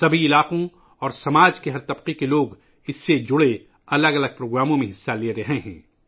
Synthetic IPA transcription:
sɐbʱiɪlaːqõ | ɔːɾsɐmaːd͡ʒkeɦɐɾt̪ɐbqekeloːɡ | ɪsːed͡ʒʊɽe | ɐləɡɐləɡ̚pɾoːɡɾaːmõmẽɦɪsːaleɾɐɦeɦɛ̰̃ː

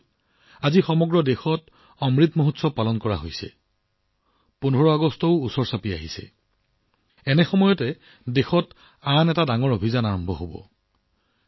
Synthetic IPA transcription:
azixɔmɔɡɹɔdexɔt | ɔmɹit̪moɦutsɔpalɔnkɔɹaɦojsɛ̰ | punʱɔɹɔaɡɔstɔʊusɔɹsapia̰ɦisɛ̰ | ɛnɛxɔmɔjɔtɛ | dexɔt | anɛtadaŋɔɹobʱizanaɹɔmbʱɔɦobɔ̰

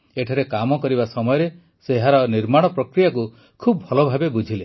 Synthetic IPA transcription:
eʈʰaɾekamɔkɔɾibasɔmɔjɔɾe | seɦaɾɔniɾmaɽ̃ɔpɾɔkɾijak̬u | kʰubɔbʱɔlɔbʱabebud͡ʒʱile

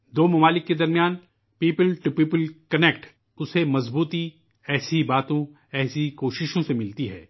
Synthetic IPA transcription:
d̪oːmɐmaːlɪkːed̪ɐɾmijaːn | piːpəlʈupiːpəlkɐnek̚ʈ | ʊsemɐzbuːt̪i | ɛːsibaːt̪õ | ɛːsikoːʃɪʃõsemɪlt̪iɦɛ̰ː

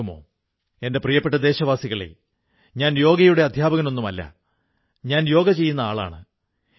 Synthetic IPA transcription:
umo̰ | e̞nde̞prijɐpːeʈːɐd̪e̞ːɕɐʋaːsiɣɐɭḛ | ɲaːnjo̞ːɡɐjuɽeɐd̪ʱjaːbɐɣɐno̞nːumɐlːɐ̰ | ɲaːnjo̞ːɡɐt͡ɕe̞jːunːɐaːɭa̰ːɳɨ

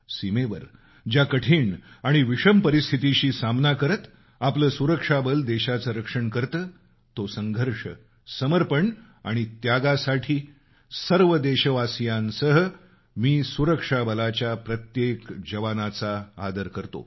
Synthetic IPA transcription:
simeʋəɾ | d͡ʑjakəʈʰiːɳaɽ̃iʋiʂəmpəɾist̪ʰit̪iɕiːsamnakəɾət̪ | apləːsuɾəkʂabəld̪eɕat͡səɾəkʂəɳkəɾt̪əː | t̪osəŋɡʱəɾʂə | səməɾpəɳ | a̰ɽ̃it̪jaɡasaʈʰiː | səɾʋəd̪eɕəʋasjãnsəɦə | miːsuɾəkʂabəlat͡ɕjapɾət̪jekd͡ʑəʋanat͡saa̰d̪əɾkəɾt̪o̰

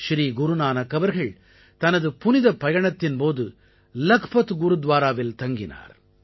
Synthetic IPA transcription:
ʃɾiːɡʊɾɯnaːnɐkːɐʋɐɾɣɐɭ | t̪ɐnɐðɯpʊnɪðɐpːɐjɐɳɐt̪ːɪnpoːðɯ | lɐkpɐt̪ɡʊɾɯd̪ʋaːɾaːʋɪlt̪ɐŋɡɪna̰ːɾ

